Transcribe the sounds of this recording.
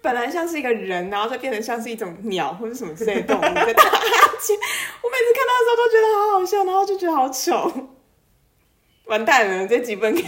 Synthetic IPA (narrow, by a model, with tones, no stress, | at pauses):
pə˨˩nla˧˦ɪɕjɑ˥˧ŋʂɻ̩˥˩i˧˥ɡə˧ɻə˨˦nɻa˧˥nxo˥˧t͡ɕo˥˩jnʈ͡ʂə˩ɕjɑ˥˧ŋʂɻ̩˥˧i˥˩ʈ͡ʂʊ˨˦ŋnjɑ̰˨˩ʊxwɔ˥˩əʂɻ̩˥˩ʂə˨˩mə˦t͡s̩̪˥˩e˥˩ə˩t̪ʊ˥˨ŋ˩˨˥a˥˩˧ | wɔ˨˦me˨˩t͡sʰɹ̩˥kʰa˥˧nɑ˥˩ə˩˧˥t̪o˥ʊt͡ɕɥɛ˧˥d̪ə˧xɑ˧˦˥xɑ˨˩ʊɕjɑ˥˩ʊna˧˥xt͡ɕjo˥˩t͡ɕɛ˧˥d̪ə˧xɑ˧˥ʊt͡ɕʰjɔ˨˩ | wa˧˥nt̪a˥˩nə˩t͡sa˥˩t͡ɕi˨˥˩fə˥nk